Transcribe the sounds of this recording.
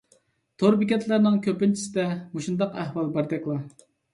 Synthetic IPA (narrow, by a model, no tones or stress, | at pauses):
t̪ʰoɾbikʲɛt̪ʰlæɾnɪŋkʲʰøpɪnt͡ʃʰi̥sɪd̪ɛmuʃund̪ɑqæhwɑlˠbɑɾd̪ɛkʲlˠɑ